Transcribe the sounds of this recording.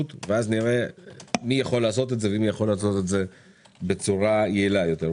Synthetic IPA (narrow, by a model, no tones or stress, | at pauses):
ut̪veazniʁemijaχo̞lːaːso̞t̪etzeveimijaχo̞lːaːso̞t̪etze̞ | bet͡suʁajeilajo̞t̪eʁ